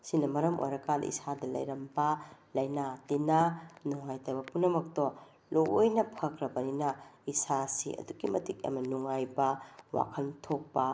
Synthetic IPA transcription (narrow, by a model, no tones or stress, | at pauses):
sinːɐmɐɾɐmʔo̰jɾɐkanʔḭsadɐlɐ̰jɾɐmbɐlɐjnatinɐnuŋajtɐbɐpunːɐmɐk̚to | loojnɐpʰɐkʰɾɐbɐninɐisasḭɐ̰duɡimɐtik̚ɐ̰mɐnuŋajbɐwa̰kʰɐntʰok̚pɐ